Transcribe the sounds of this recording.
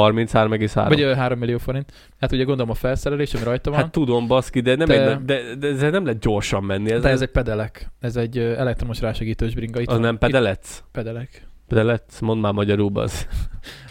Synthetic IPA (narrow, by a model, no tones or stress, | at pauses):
ɒrmint̪shaːɾomɛɡeːsha̰ːɾvɒøɦaːɾo̞mːilːioːfo̞ɾint̪ | hat̪uɟɛɡo̞nd̪olomɒfɛlsɛɾɛleːʃɒmiɾɒjt̪ɒvhɔant̪ːud̪o̞mbɒskid̪ɛnɛmdeɛd̪ɛd̪ɛɛzeɾnɛmlɛɦɛt̪̚ɟo̞rʃɒmːɛnːiɛdzɛɛzɛc̚pɛd̪ɛlɛkɛzɛɟːøɛlɛk̚t̪ɾo̞moʃraːʃɛɡiːt̪øːʒbɾiŋɡɒit̪ɒznɛmpɛd̪ɛlɛt̪spɛd̪ɛlɛkpɛd̪ɛlɛt̪smo̞nd̪maːmɒɟɒɾuːbɒ̰z